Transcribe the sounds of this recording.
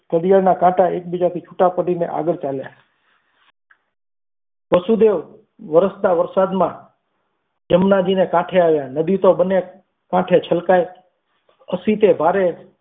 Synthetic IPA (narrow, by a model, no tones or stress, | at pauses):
kəd̪ijaɽnakãʈaek̚bid͡ʒat̪ʰit͡ʃʰuʈapəɽinḛʔa̰ɡəɾt͡ʃalja̰ | pəsud̪eʋ | ʋəɾəst̪aʋəɾsad̪mã | d͡ʒəmnad͡ʒinekãʈʰeaʋjãnəd̪it̪obənːe | kãʈʰet͡ʃʰəlkae | əsit̪ebʱaɾe